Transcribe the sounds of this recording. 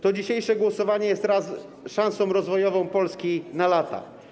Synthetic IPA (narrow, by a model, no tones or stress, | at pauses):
t̪ɔd͡ʑiɕejʂɛɡwɔsɔvaɲɛjɛst̪ɾas | ʂãñsɔ̃w̃ɾɔzvɔjɔvɔ̃w̃pɔlskʲinalat̪a̰